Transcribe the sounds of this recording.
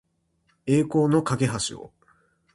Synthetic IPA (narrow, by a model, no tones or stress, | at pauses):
e̞ːko̞ːno̞kaɡe̞ɦaɕḭo̰